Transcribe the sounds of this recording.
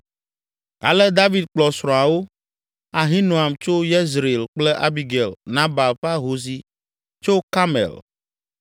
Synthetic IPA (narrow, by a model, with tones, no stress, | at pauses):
ɡa̰˨lɛ˦d̪a˦vi˨d̪̚k͡plɔ˨sɾɔ̃˨a˨wo˦ | a˨ɦĩ˦nõ˨a˨mt͡ʃo˦je˦zɾe˨lk͡plɛ˦ʔa˦bi˨ɡɛ˨lnã˦ba˨lɸa˦ɦo˨si˦ | t͡ʃo˦ka˦mɛ̰˨l